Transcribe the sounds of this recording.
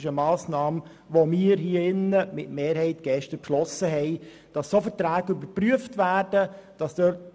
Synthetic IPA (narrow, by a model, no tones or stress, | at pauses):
ʃəmɑːsnɑːm | ʋomiːɾɦiːəɪnːəmɪtmeːɾhɛɪtɡ̥ɛʃtəpʃlɔsəɦɛɪ | d̥ɑsːofəɾtɾæːɡ̥əybəɾpɾyəftvæːrd̥əd̥ɑsd̥øt